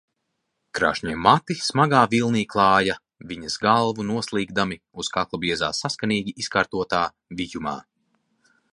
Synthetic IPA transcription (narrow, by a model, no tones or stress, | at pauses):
kɾa̰ːʃɲiɛmat̪ismaɡaːvilˠniːklˠɑːja | viɲɐsɡalˠvunuɔslˠiːɡd̪ami | uskaklˠabiɛza̰ːsaskaniːɡʲiʔiskaːɾt̪uɔt̪aː | vijuma̰ː